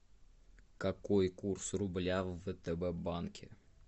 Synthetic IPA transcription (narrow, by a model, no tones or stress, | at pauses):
kɐkojkursrʊblʲavət̪ɛbɛbankʲɪ